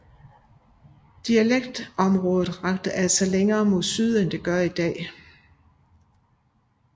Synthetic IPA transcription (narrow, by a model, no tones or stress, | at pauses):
d̥iæleɡ̥̚d̥ɒ̽mʁɔ̽ːð̩ˠʁɑɡ̥d̥əʔæl̰sæleŋɐːmo̝ð̰ˠsyð̞ˠend̥e̝ɡ̥ɶɐid̥ɛ̰ː